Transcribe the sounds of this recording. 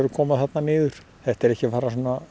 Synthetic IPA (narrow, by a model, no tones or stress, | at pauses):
ɛɾʏkʰɔːmaðθat̪nanɪːðʏɾ̥ | θɛht̪ɛɾɛhcɪfaːɾasɔːna